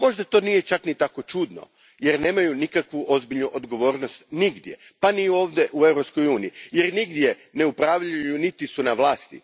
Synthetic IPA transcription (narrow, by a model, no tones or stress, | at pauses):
mo̞ʒd̪at̪o̞nije̞t͡ʃaknit̪ako̞t͡ʃuːd̪no̰ | jeɾne̞ːmajunikakʋuʔo̞zbiʎnuʔod̪ɡo̞ʋo̞ːɾno̞st̪niɡd̪je̞panio̞ːʋd̪eʔue̞wɾo̞psko̞juːniijeɾniɡd̪je̞ | ne̞upɾaːʋʎajunit̪isunaʋlˠaːst̪ḭ